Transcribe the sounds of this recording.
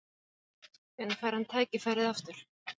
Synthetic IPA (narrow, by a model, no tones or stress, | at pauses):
ɛnkʰaːjɾ̥hant̪ʰaːjcɪfaːɾɪðaft̪ʏɾ̥